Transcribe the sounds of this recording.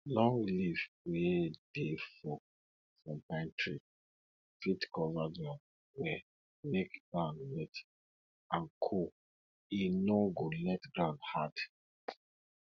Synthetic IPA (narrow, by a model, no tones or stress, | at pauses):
lɔ̃ŋɡlifwed̥efɔ | sɔ̃mpãɪ̃ntʰɹi | fitkʰɔvaɡɹã | wɛ | mekɡɹãndlɛt | ãnkʰo | inoɡolɛtɡɹãndhat